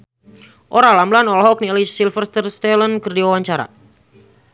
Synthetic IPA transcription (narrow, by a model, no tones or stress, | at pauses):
ʔoɾalamblanɔlɦɔk̚niɛlisilfərst̪ərst̪ɛlənkərdiwawaɲt͡ʃaɾa̰